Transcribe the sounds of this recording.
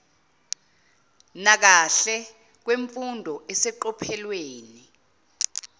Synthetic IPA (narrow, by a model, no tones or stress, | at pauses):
nak̬aɬɛ | k̬weɱfundʱɔɛsɛǃɔpʰɛlweːni